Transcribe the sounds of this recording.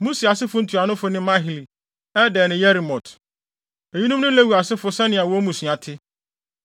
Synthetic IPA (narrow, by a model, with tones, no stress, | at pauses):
mũ˦si˨a˨sɪ˦fʊ˦n̩˨tʰu˨a˨nʊ̃˦fʊ˨˦nɪ̃˦mã˦ɦɪ˨li˨ | ɛ˦dɛ˨nɪ̃˨jɛ˦ɾi˨mɔ̃˨tʰ | e˨ji˦nũ˦mnʊ̃˦le˦wu˨a˨sɪ˦fʊ˨sɛ˦nɪ̃˨a˨wɔ˦mũ˨su˨a˨tʰɪ˦